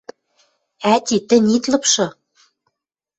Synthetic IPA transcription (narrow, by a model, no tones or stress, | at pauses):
æt̪ʲit̪ɘ̆nʲit̪lɤ̆pʃɤ̆